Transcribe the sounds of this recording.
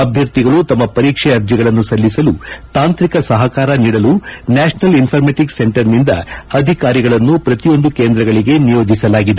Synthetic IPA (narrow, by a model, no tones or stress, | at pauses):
ɐbʱjɐɾt̪iɡɐɭut̪ɐmːɐpɐɾiːkʂɛɐɾd͡ʒiɡɐɭɐnːusɐlːisɐlut̪aːnt̪ɾikɐsɐɦɐkaːɾɐniːɽɐlunaːʂnɐlinpʰɐɾmeʈikseɳʈɐɾnind̪ɐ̰ɐd̪ʱikaːɾiɡɐɭɐnːupɾɐt̪ijo̞nd̪ukeːnd̪ɾɐɡɐɭiɡe̞nijo̞ːd͡ʒisɐlaːɡid̪e